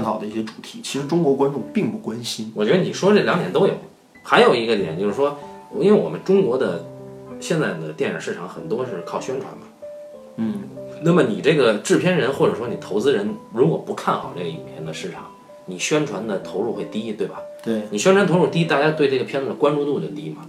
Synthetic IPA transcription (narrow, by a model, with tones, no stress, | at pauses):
a˥˩nt̪ɑ˨˩ʊd̪ə˦i˥˩ɕjɛ˥ʈ͡ʂu̥˨˩t̪ʰi˧˥t͡ɕʰi˧˥ʂɻ̩˧˥ʈ͡ʂʊ˥ŋkwɔ˧˥kwa˥nʈ͡ʂʊ˥˧ŋpi˥˧ŋpu˥˩kwa˥nɕi˥nwɔ˨˩t͡ɕɥɛ˧˥ə˧ni˨˩ʂwɔ˥ʈ͡ʂɤ˥˩ljɑ˧˥ŋt̪jɛ˨˩nt̪o˥ʊjo˨˩˦ʊ | xa˧˥ɪjo˨˩ʊi˧˥ɡə˧t̪jɛ̰˨˩nt͡ɕjo˥˧ʊʂɻ̩˥˩ʂwɔ˥i˥nwe˥˩ɪwɔ̰˨˩mə˦nʈ͡ʂʊ˥ŋkwɔ˧˥d̪ə˨ɕjɛ˥˧nt͡sa˥˩ɪd̪ə˩t̪jɛ˥˩na̰˨˩ʂɻ̩ʰ˥˩ɑ˨˥ŋxə̰˨˩nt̪wɔ˥ʂɻ̩˥˧kʰɑ˥˩ʊɕɥɛ˥nʈ͡ʂʰwa̰˧˥nmɐ˨˥ | na˥˩mə˩ni˨˩ʈ͡ʂɤ˥˩ɡə˩ʈ͡ʂɻ̩˥˩pʰjɛ˥nɻə˧˥nxwɔ˥˩ʈ͡ʂɤ˨˩ʂwɔ˥ni˨˩t̪ʰo˧˥ʊt͡sɹ̩˥ɻə˧˥nɻu˧˥kwɔ˨˩pu˧˥kʰa˥˩nxɑ˨˩ʊʈ͡ʂe˥˩ɡə˧i˨˩pʰjɛ˥nd̪ə˧ʂɻ̩˥˩ʈ͡ʂʰɑ˨˩˦ŋ | ni˨˩ɕɥɛ˥nʈ͡ʂʰwa˧˥nd̪ə˨t̪ʰo˧˥ʊɻu˥˧xwe˥˧ɪt̪i˥t̪we˥˩ɪbɐ˩t̪we˥˩ni˨˩ɕ̬ɥɛ˥nʈ͡ʂʰwa˧n˥t̪ʰu˥˧˩t̪i˥t̪a˥˧˩t͡ɕja˥t̪we˥˧ɪʈ͡ʂɤ˥˩ɡə˩pʰjɛ˥n˩kwa˥nʈ͡ʂu˥˧nu˥˧t͡ɕo˥˩ʊt̪i˥mɐ˩